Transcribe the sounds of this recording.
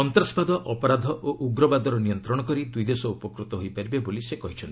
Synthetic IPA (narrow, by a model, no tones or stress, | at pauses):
ɔnt̪ɾɔspad̪ɔʔɔpɔɾad̪ʱɔʔoʔuɡɾɔbad̪ʱɔɾɔnijɔnt̪ɾɔɽ̃ɔkɔɾid̪ujd̪esɔupɔkɾut̪ɔɦojpaɾibebolisekɔɦit͡ʃʰɔnt̪i